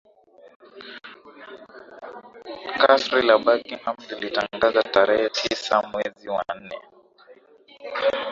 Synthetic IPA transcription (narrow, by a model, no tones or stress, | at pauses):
kasɾilaɓakiŋhamlilitaŋɡazataɾɛhɛtʰisamwɛziwa̰n̩nɛ̰